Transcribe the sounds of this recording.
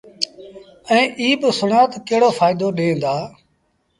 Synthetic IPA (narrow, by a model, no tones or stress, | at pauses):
ɛ̃ːʔiːɓsʊɳaːt̪keɦɽoːfʰaːɪd̪oːɗẽːnd̪aː